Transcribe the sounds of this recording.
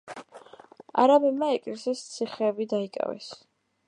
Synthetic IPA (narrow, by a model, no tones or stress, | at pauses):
a̰ɾabɛmaɛkʼlɛsist̪sʰiχɛːbid̪aikʼa̰vɛ̰s